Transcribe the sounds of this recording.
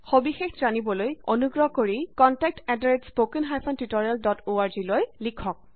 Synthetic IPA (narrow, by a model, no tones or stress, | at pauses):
xobixexzanibɔlojonuɡɹɔɦkoɹikɔntɛk̚tɛdɹespokinɦajpʰɔntitɔɹialdɔtoaɹzilojlikʰɔk̚